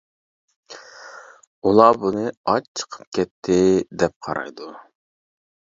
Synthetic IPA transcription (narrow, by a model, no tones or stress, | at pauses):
ulˠɑːbunɨɑt͡ʃt͡ʃʰə̥qʰə̥p̚kʲʰɛt̪ʰːɪd̪ɛp̚qʰɑɾɑ̰jd̪u